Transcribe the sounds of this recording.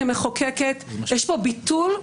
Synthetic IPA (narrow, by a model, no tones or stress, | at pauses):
emeχokeket̪jɛʃpo̞bit̪ul